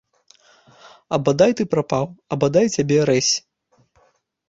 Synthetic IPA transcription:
ɐbad̪ajt̪ɨpɾapawɐbad̪ajt͡sʲabʲɛɾɛsʲ

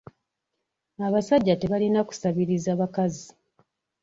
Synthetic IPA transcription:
aβasaɟːate̞βalinaku̥saβiɾizaβakazi

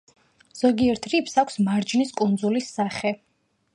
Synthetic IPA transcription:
z̥ɔɡiɛɾt̪ʰɾipʰsakʷʰsmaɾd͡ʒniskʼund̪zulisːaχɛ

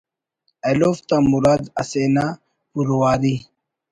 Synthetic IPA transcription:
eloft̪amuɾad̪ɐ̰seːna | puɾowaːɾi

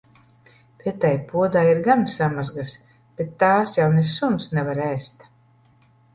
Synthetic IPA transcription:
vit̪ajpuɔd̪aːiɾɡansamazɡas | b̥et̪ːaːsjawnesumsnɛvaɾɛːst̪

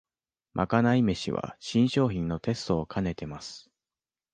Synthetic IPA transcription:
mʔa̰kanaime̞ɕḭβa̰ɕĩɰ̃ɕo̞ːçĩnːo̞t̪e̞sɨ̥t̪o̞ːkʰane̞t̪e̞masɨ̥

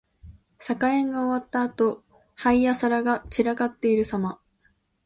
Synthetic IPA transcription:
sakaẽ̞ŋɡao̞βat̪ːaːt̪o̞ | haijasaɾaɡat͡ɕiɾaɡat̪ːe̞iɾɯ̟sama

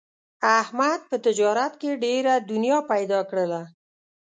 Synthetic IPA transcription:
ahmad̪̚pət̪ɪd͡ʒɑɾat̪keɖeɾad̪ʊnjɑpajd̪ɑkɽəla

